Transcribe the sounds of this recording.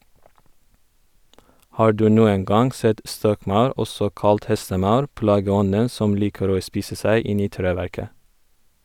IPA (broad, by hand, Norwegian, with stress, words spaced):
ˈhɑː ˈɖʉː ˈnuːəŋ ˈɡɑŋ ˈsɛt ˈstɔkˌmɑʉɾ ˈɔsɔ ˈkɑlt ˈhɛstəˌmɑʉɾ ˈplɑːɡəˌɔnən ˈsɔm ˈliːkəɾ ˈoː ˈspiːsə ˈsæɪ ˈɪn ˈiː ˈtɾeːˌʋæɾkə